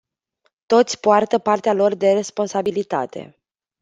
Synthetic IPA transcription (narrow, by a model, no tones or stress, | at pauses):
t̪o̞t̪sʲpoart̪əpart̪ealo̞rd̪e̞ɾe̞spo̞nsabilit̪a̰t̪e̞̰